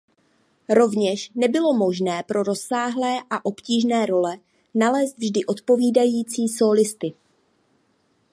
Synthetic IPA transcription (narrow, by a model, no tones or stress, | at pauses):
ɾo̞vɲɛʃnɛbɪlo̞mo̞ʒnɛːpɾo̞ɾo̞sːaːɦlɛːʔaʔo̞pciːʒnɛːɾo̞lɛ | nalɛːst̪vʒdɪʔo̞t̪po̞viːdajiːt͡siːso̞ːlɪst̪ɪ